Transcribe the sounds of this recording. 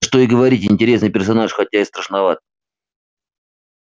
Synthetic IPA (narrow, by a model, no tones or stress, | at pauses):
ʂt̪oiɡəvɐɾʲitʲɪnʲtʲɪɾʲe̞snɨjpʲɪrsɐnaʂxɐtʲːaɪst̪ɾəʂnɐvat̪̚